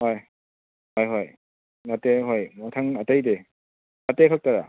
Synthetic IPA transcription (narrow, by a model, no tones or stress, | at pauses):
hɔj | hɔjɦɔj | nateɦɔjmɔtʰaŋatajde | natekʰak̚taɾa̰